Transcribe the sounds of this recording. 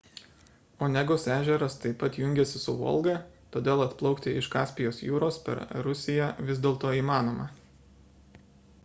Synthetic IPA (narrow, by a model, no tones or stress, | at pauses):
oːnʲɛɡʊsæːʒʲɛɾɐst̪ɐɪpɐt̪jʊŋʲɡʲɛsʲɪsʊʋɔ̰lˠɡɐt̪oːd̪ʲeːlˠɐt̪plˠɒʊkt̪ʲɪʔɪʃkɑːsʲpʲɪjoːsjuːɾoːspʲɛ̰ɾɾʊsʲɪjɛʋʲɪzʲd̪ʲeːlˠt̪oːiːmɑːnoːmɑ